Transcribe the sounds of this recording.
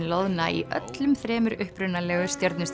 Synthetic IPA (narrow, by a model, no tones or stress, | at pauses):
lowðnaḭʔœ̰t̪lʏmθɾɛːmʏɾʏhpɾʏnːalɛːɣʏst̪jɔɾt̪nɪst̪